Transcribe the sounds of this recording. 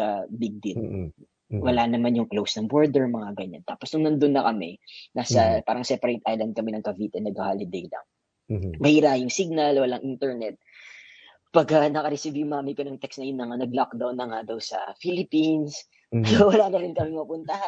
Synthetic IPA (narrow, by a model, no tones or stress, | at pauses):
ɐbɪɡ̚d̪ɪt̪̚ | wɐlanɐmanjʊŋklowsnɐŋboɹd̪ɛɹmɐŋaɡɐɲa̰nt̪aːposnʊŋnɐnd̪onːɐkɐmɛnaːsɐpaːɾɐŋsɛpɐɾejt̪ʔajlɐnd̪̚kɐmɛnɐŋkɐviːt̪ɛnɐɡ̚hɐhalɪd̪ɛjlɐ̰ŋ | mɐhiːɾajʊŋsiɡ̚nɐlwɐlaŋʔint̪ɛɹnɛt̪̚ | pɐɡɐnɐkɐɾɛsɪvjʊmamɪjkɐnɐŋt̪ɛksnɐjʊnːɐŋanɐɡlok̚d̪awnːɐŋad̪ɐwsɐ̰filɪpins | sowɐlaːnɐɾɪnkɐmɪŋmɐpʊnt̪ɐha